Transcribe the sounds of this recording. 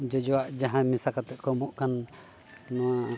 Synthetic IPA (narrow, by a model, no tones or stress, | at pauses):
d͡ʒɔd͡ʒɔwaʔd͡ʒaɦãmisakat̪ɛʔkɔmɔʔkanː | ɔwa